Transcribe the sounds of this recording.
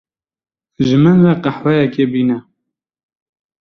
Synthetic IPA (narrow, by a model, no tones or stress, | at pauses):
ʒɨmɨnraqɑħwɛjɛkebiːnɛ